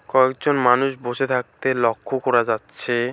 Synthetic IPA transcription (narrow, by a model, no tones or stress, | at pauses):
kɔekd͡ʑonmanuʃboʃet̪ʰak̚t̪elɔkʰːokɔɾad͡ʑatːɕʰe